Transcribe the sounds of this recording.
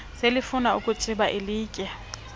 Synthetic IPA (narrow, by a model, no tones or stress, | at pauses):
sɪlɪfʊnaʊkʼʊt͡ʃʼɪbaʔɪliːkʼɛ